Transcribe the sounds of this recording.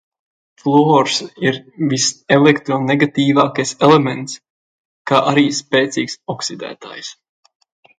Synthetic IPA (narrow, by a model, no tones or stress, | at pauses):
flˠɔːɾsiɾviselekt̪ɾɔneɡat̪iːvaːkajselemɛnt̪s | kaːʔaɾiːspeːt̪siːksɔksid̪æ̰ːt̪a̰ːjs